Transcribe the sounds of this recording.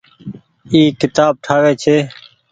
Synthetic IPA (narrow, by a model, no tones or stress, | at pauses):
iːkɪt̪aːb̚ʈʰaːʋeːt͡ʃʰeː